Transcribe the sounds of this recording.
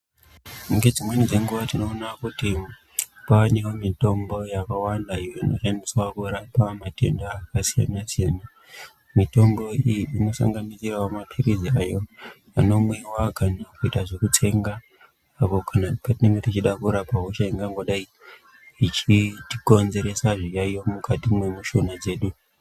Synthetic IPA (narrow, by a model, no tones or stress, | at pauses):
uŋɡe̞d͡zimwenid͡ze̞ŋɡuʋatino̞ːnakuti | panewomito̞mbo̞jakawandaijono̞̰ʃandiswakuɾapamate̞̰ndaːkasija̰nasijana | mito̞mbo̞ijiino̞sa̰ŋɡanisirawomapʰiriziajo̞ | ano̞mwe̞waɡʱanakuitaʐe̞kutʰe̞ŋɡaː | po̞kʰanapatinemirit͡ʃiɗakuɾapaɦoʃaiŋɡaŋɡo̞ɗai | it͡ʃitiko̞nzeɾe̞saʐijaijo̞mukatimwemuʃonad͡ze̞ːɗu